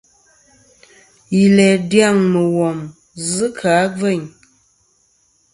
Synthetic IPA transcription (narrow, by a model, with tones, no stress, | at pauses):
ji˨lɛ˨dja˦˨ŋmə˨wɔ˨m | zɨ˦kʰa˨˦b͡və˦˨ɲ